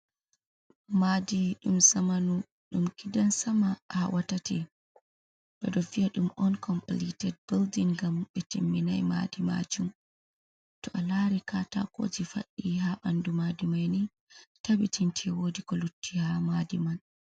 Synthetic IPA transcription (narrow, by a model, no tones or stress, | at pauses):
madiɗumsamanu | ɗumkidansamahawatatɛ | ɗɔɗɔfiaɗumʔɔnkʰɔmplitɛd̚bɛldinɡamɓɛtimːina̰jma̰dima̰d͡ʒum | tɔʔalaɾikata̰ko̰d͡ʒifa̰ɗːiɦaɓandumadimajni | tabitʰintʰɛwodikɔlutʰːihamadiman